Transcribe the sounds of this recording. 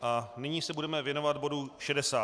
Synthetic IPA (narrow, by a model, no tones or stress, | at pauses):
ʔanɪɲiːsɛbudɛmɛvjɛno̞vat̪bo̞duʃɛdɛsaː